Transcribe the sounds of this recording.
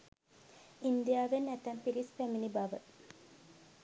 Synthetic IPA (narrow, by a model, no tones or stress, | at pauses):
ind̪ijaːʋenːæt̪æmpiɾispæminibaʋə